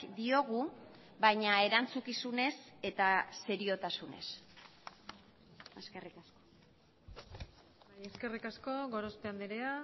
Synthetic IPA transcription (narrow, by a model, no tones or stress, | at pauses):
d̪io̞ɣ̞u | βajɲae̞ɾant͡sukisune̞se̞t̪ase̞ɾio̞t̪asune̞̰s | eske̞rikasko̥ | bajeske̞rikasko̞ɣo̞ɾospeand̪iɾea